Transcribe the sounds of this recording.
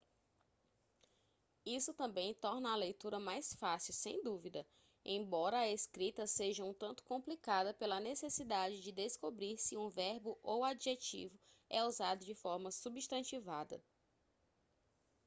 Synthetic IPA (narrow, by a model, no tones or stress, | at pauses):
isʊt̪ɐ̃mbẽj̃t̪ɔɾnɐːlejt̪uɾɐmajsfasiwsḛ̃j̃d̪uvid̪ɐ | ḛ̃bɔɾɐːeskɾit̪ɐseʒɐũt̪ɐ̃nt̪ʊ̥kõplikad̪ɐpelɐnesesid̪ad͡ʒɪd͡ʒɪd̪eskobɾiɾsɪũvɛɾbʊʔowad͡ʒiʒet͡ʃḭvʊɛuzad̪ʊd͡ʒɪfɔɾmɐsubiʃt̪ɐ̃nt͡ʃivad̪ɐ̰